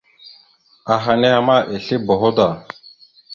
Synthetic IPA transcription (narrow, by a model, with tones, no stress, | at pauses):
a˨ɦa˨ne˦a˨ma˦˨ʔe˨ɬe˦bo˨ɦo˦da˨